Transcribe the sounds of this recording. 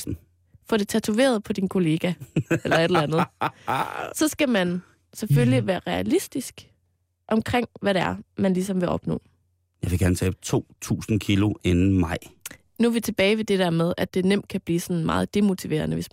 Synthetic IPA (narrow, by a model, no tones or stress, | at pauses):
n̩ | fɒɾ̥e̝t͡sʰæt͡sʰuʋe̝̰ːɐð̞ˠpʰɒ̽d̥inkʰo̝le̝ːɡ̥æelɐed̥llænð̩ | sɒ̽sɡ̥æmæn | sefølliʋæːɐʁɛælisd̥isɡ̥ | ʔɒ̽mkʰʁeŋ̰ʋæɾeæɐmænlisɒ̽mʋe̝ʔɒ̽b̥nɔ̰̽ː | jɑ̈ɪʋeɡ̥æɐnət͡sʰɛ̰ːb̥t͡sʰo̝̰ːt͡sʰṵːsn̩kʰilo̝ʔenn̩mɑɪ̰ | nuʋit͡sʰe̝b̥ɛːɪʋe̝d̥e̝d̥æɐ̰meðˠæd̥e̝nem̰d̥̚kʰæb̥liːsɒ̽nmɑ̈ːð̞̩ˠd̥e̝mo̝t͡sʰiʋe̝̰ɐ̰nəʋe̝s